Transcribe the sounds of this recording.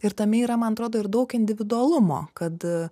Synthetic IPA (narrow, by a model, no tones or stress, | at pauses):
ɪɾt̪ɐmʲɪiːɾɐmɐnɐt̪ɾoːd̪oːɪɾd̪ɐʊkɪnʲd̪ʲɪʋʲɪd̪ʊɐlˠʊmo̰ːkɐt̪